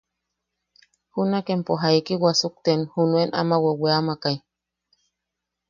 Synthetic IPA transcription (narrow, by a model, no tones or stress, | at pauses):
hunakempoɦaikiwasuk̚t̪enhunuena̰maweweamakaj